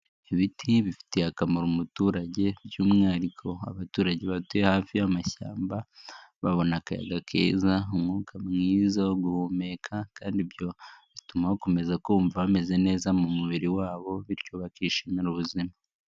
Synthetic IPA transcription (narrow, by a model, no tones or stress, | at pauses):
iβitʰiβifi̥teakamoɾumutuːɾaɟe̞bjuːmŋaːɾikʰo̞a̰βatuːɾaɟe̞βatue̞haːfijamaça̰ːmbaβaβo̞nakaja̰ɡakʰḛːzaumŋuːkʰamŋiːzaɡuhome̞kʰakaːndibjo̞βitumahoko̞me̞zakouːɱvaβame̞ze̞ne̞ːzamumuβiɾiwaːβo̞βiɾcuβakiʃenaɾuβuzima